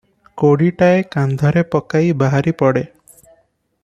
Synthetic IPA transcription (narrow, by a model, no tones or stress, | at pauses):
koɽiʈaekand̪ʱɔɾepɔkajbaɦaɾipɔɽe